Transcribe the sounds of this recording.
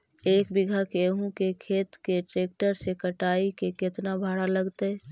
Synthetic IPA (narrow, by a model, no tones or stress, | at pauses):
eːkbɪɡʱakeɦũkekʰeːt̪keʈɾeːk̚ʈəɾsekəʈaːikekɪt̪nabʱaɽaləɡt̪eɛ